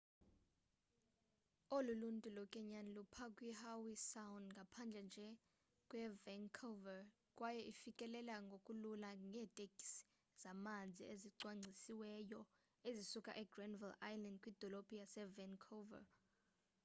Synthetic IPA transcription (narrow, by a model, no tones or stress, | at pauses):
oluluntʼulɔkʼɛɲanlupʰakʼwihawisawndŋɡʱapʰand͡ɮʱɛnd͡ʒʱɛ | kʼwɛvɛŋkʰovɛ | kʼwajɛʔifikʼɛlɛlaŋɡʱokʼululaŋɡʱɛːtʼeɡi̥s | z̥amand͡zʱḭeziǀwaŋ͡ǀʱisiwɛjɔ | ezisukʼa̰ʔɛɡrɛnvilajlandkʼwid̥ʱɔlopʼijasɛvɛnkʰova̰